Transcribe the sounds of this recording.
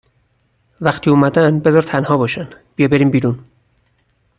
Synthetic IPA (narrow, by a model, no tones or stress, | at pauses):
væxt̪ʰiːuːmæd̪ænbe̞zɒːɾt̪ʰænhɒːbɒːʃænb̥ijɒːbe̞ɾiːmbiːɾun